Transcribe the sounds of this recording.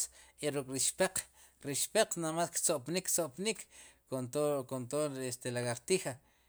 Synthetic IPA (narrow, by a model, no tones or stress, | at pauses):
eɾukʼɾiʃpeq͡χ | ɾiʃpeq͡χnamaskt͡soʔpnikʰːt͡soʔpnikʰ | okont̪oest̪elaɣaɾt̪ixa